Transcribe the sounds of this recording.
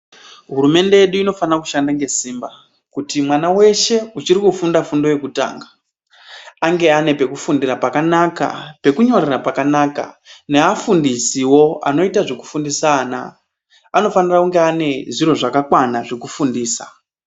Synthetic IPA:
ɦuɾume̞nde̞je̞ɗuino̞fanaku̥ʃandaŋɡe̞siːmba | kutimwanawe̞ʃe̞ut͡ʃiɾikufundafundo̞je̞kuta̰ːŋɡa | aŋɡe̞ane̞pe̞kufundirapakanaka̰pe̞kuɲo̞rirapakanaːka̰ne̞afundisiwo̞a̰no̞itaʐeku̥fundisaːna̰ | ano̞fanirakuŋɡe̞ane̞ʐiɾo̞ʐakakwanaʐekufundiːsa

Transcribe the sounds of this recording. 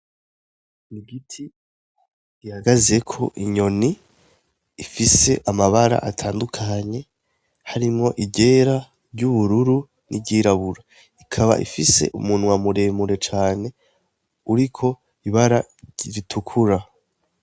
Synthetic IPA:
niɡitʰi | ɡ̥ihaɡaze̞kʰo̞̰ʔiɲo̞niː | fise̞ʔamaβaɾa̰ʔatʰaːndukʰaɲe̞ | haɾimŋo̞ʔibɟe̞ɾa | ɾɟuβuɾuɾu | nʔḭbɟiːɾaβuɾa | ikʰaβa̰ʔḭfise̞̰ʔṵmunwamuɾe̞muɾe̞t͡ʃaːne̞ | uɾikʰo̞ | iβaɾa | iɾitʰukʰuɾa

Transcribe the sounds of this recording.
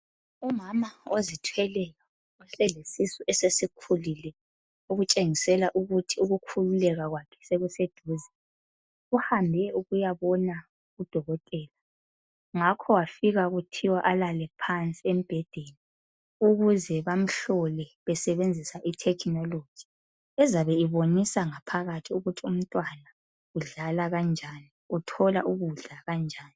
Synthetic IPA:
umamaozitʰwɛlɛla | usɛlesisuʔɛsesikʰulilɛ | uɣut͡ʃʼeŋisɛlaʔuɣutʰiuɣukʰululɛɣaɣwakʰɛ̥seɣused̥ʱuːzɛ | uhambʱɛuɣujaβɔna | ɣud̥ʱɔɣɔtʼɛːla | ŋakʰɔwafiɣaɣutʰiwaʔalalɛpʰant͡sʼiem̩b̥ʱɛd̥ʱɛli | uɣuzɛβam̩ɬɔlɛβɛsɛβend͡zʱisaʔitʰɛkʰnɔlo̥d͡ʒ̥ʒ̥ʱi̥ | ɛzaβɛiβonisaŋapʰaɣatʰiuɣutʰium̩tʼwana | uɮalaɣand͡ʒʱani | utʰɔla̰ʔuɣuɮaɣand͡ʒʱaːni

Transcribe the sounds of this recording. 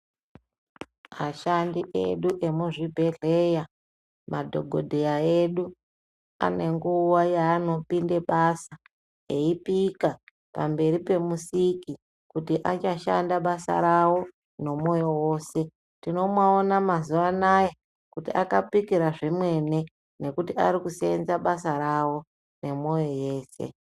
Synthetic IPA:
maʃandiʔḛɗuʔe̞muʐibʱe̞ɮe̞ja | madʱo̞̰ɡʱo̞dʱejae̞ɗu | a̰ne̞ŋɡuwajaːno̞pinde̞ɓasa | eipika | pa̰mbe̞ɾipe̞musiki | kutiʔat͡ʃaʃa̰ndaɓasa̰ɾawo̞ | ne̞mo̞jo̞wo̞ːse̞ | tino̞mwaonamazuʋanaje | kutiʔakapikiɾaʐimwe̞ne̞ | ne̞kutia̰ɾikusḛnzaɓasaɾawo̞ | ne̞mo̞jo̞je̞ːsḛ

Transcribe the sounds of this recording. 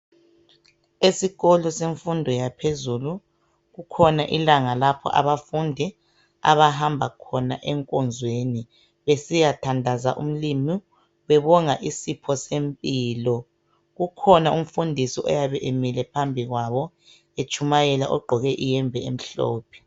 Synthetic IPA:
esiɣɔlɔseɱfundʱɔjapʰezulu | ɣukʰɔnaʔilaŋalapʰɔ̰ʔa̰βafundʱɛ | a̰βaɦambʱakʰɔnaʔɛŋkʼɔnd͡zʱweni | βesijatʰandʱazaʔum̩limi | wɛβɔŋaʔisipʰɔsempʼiːlɔ | ɣukʰɔnaʔum̩fundʱisiʔɔjaβɛʔemilɛpʰambʱiɣwaβɔ | et͡ʃʰʼumajɛla̰ʔɔɡ͡ǃʱɔɣɛʔijɛmvʱɛem̩ɬɔ̰ːpʰɛ̥

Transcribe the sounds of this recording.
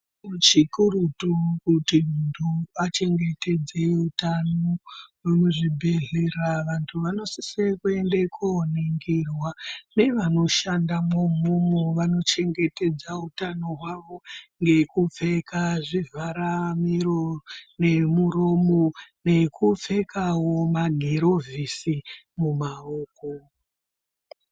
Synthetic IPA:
ut͡ʃikurutukutimuntʰuʋat͡ʃe̞ŋɡe̞te̞d͡ze̞utanowemuʐibʱe̞ɮeraʋantʰuʋano̞sisekue̞ndekʰoneŋɡirwane̞ʋano̞ʃandamomumuʋano̞t͡ʃe̞ŋɡe̞te̞d͡zautano̞ɦwaʋo̞ŋɡe̞kup͡fe̞kaʐivʱaɾamiɾorne̞muɾo̞mone̞kʰup͡fe̞kawomaɡʱeɾo̞vʱisi | mumaoːko

